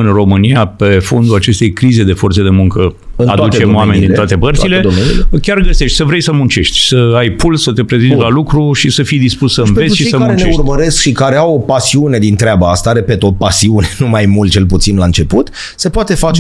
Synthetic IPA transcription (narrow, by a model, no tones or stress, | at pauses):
ɨnro̞mɨniape̞fo̞nd̪ulat͡ʃe̞st̪e̞jkɾize̞d̪e̞fo̞rt̪sed̪e̞muŋkə | ɨad̪utt͡ʃemoamenʲd̪inoat̪e̞pərt̪tsile̞d̪oḭkʲarɡəse̞ʃt̪ʲsəvɾejsəmunt͡ʃe̞ʃt̪ʲsəajpulsət̪e̞pɾe̞zint̪lalukɾuʃisəfijd̪ispussəɨnveʃiijsəmaunet͡ʃneeurməɾe̞skʃikaɾeawopasiune̞d̪int̪ɾeabaast̪aɾe̞pet̪ːot̪̚pasiunenumajmult̪t͡ʃe̞lput̪sinlaɨnt͡ʃe̞put̪ | se̞poat̪e̞fat͡ʃe